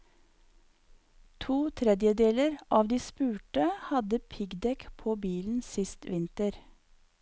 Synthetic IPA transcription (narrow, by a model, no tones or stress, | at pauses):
t̪ʰuːt̪ʰɾɛd̪jəd̪eːləɾʔɑːʋd̪iːspʉːʈəhɑd̪əpʰɪɡd̪ɛkpʰoːbiːln̩sɪst̪ʋɪnt̪əɾ